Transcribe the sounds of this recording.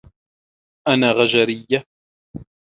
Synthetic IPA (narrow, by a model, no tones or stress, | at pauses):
ʔanaːɣaʒaɾɪjːa